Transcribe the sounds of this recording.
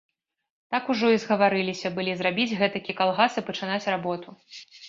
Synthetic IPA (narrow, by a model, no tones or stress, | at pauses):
t̪akuʐɔizɣɐvaɾɨlʲisʲɐbɨlʲizrabʲid͡zʲɣɛt̪ɐkʲikalˠɣasɨpɐt͡ʂɨnat͡sʲrabɔt̪u